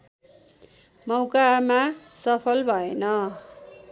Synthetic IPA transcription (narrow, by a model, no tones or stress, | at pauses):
mʌwkamasʌpʰʌlbʱʌenʌ